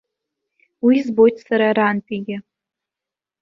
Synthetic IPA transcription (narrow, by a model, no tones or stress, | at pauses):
wizbo̞jtʰʼsaɾaɾantʼiɡʲɪ